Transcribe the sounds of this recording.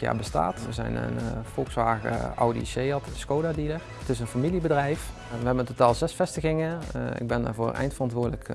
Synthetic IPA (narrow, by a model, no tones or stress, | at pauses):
ja̰ːɹbəsta̰ːtʋəzɛ̰jnə̰nfɔlˠksʋaːɣə̰ɑ̰wdḭsejɑtskowdaːdilə | ətɪs̬ənfamilibədrɛjf | ʋəɦɛbənəntotaːlˠzɛsfɛstəɣɪŋəɪ̰ɡ̚bɛnda̰ːɹvʊːɹɛ̰jntfərɑntʋʊːɹdələk